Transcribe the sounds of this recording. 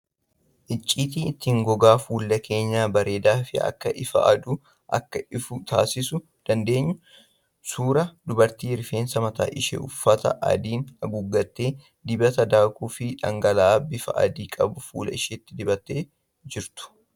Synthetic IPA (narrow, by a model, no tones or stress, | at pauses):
ʔɪt͡ʃʼːiːt̪iːɪt̪ːiːŋɡɔɡaːfuːlːɐkʰe̞ːɲːaːbɐɾe̞ːd̪aːfɪɐ̰kːɐʔɪfɐ̰ʔɐ̰d̪uː | ʔɐ̰kːɐɪfʊt̪ʰa̰ːsɪsʊ | d̪̥ɐnd̪e̞ːɲːʊ | suːɾɐd̪ʊbɐɾt̪iːɪɾfe̞ːnsɐmɐt̪a̰ːʔɪʃḛʊfːɐt̪ɐ̰ʔɐ̰d̪iːnɐɡʊɡːɐt̪ːe̞ː | d̪ɪbɐt̪ɐd̪aːkuːfɪᶑɐ̰ŋɡɐlaːbɪfɐ̰ʔɐ̰d̪iːkʼɐbʊfṵːlɐ̰ɪʃet̪ːɪd̪ɪbɐt̪ːeː | d͡ʒɪɾt̪ʊ̥